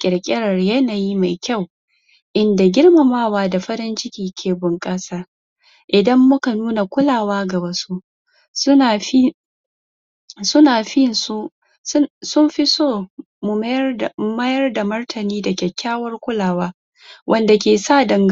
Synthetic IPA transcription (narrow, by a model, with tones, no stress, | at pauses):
kʲʼɪ˨ɽkʲʼɪ˦ɽɐ˨rjɐ˦naː˨ji˦ma˨jkʲa˦˨w | ʔɪ˦nda˨ɡʲɪ˦rma˨maː˦waː˦da˨ɸɐ˦ɾɪ˦nt͡ʃɪ˦kʲiː˨kʲʰeː˨bʊ˨ŋkʼa˦saː˦ | ʔɪ˨dɐ˦mːʊ˦ka˨nuː˦na˨kʷʊ˦laː˨waː˦ɡɐ˨bɐ˦su˦ | sʊ˦naː˨i˦ | sʊ˦naː˨ɸɪ˦nsu˦ | sʊ˦mɸi˦soː˦˨ | mʊ˨˦˨mɐ˦jɐ˦rda˨mɐ˦rtʰɐ˨niː˦da˨kʲɛ˨kʲʰːaː˦wɐ˦rkʷʊ˦laː˨waː˦ | wʔɐ˦nda˨kʲeː˨sa˦˨dɐ˨ŋɡ